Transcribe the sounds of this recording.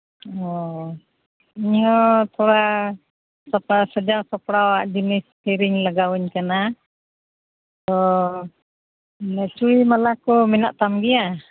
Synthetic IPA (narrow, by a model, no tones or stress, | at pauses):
ɔ | iɲɦɔt̪ʰɔɾa | sapasəd͡ʒasapɽawaʔd͡ʒinistiɾiŋlaɡawɛɲkəna | t̪ɔ | nat͡ʃuimalakɔminaʔt̪amɡia